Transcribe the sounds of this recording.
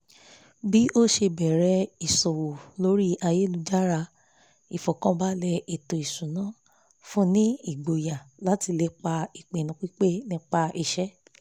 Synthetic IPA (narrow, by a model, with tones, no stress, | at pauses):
bi˦o˦ʃe˧bɛ˨ɾɛ˧˦i˨sɔ˨wo˨lo˨˦ɾi˦ʔa˧je˦lu˧˦d͡ʒa˦ɾa˧ | i˨fɔ˨kã˦ba˦lɛ˧e˨to˨i˨sũ˨nã˨˦ | fũ˦nĩ˦i˨ɡ͡bo˨ja˨la˦ti˧le˧k͡pa˧i˨k͡pẽ˨nũ˨˦k͡pi˦k͡pe˦nĩ˦˧˦k͡pa˧ʔi˨ʃɛ˦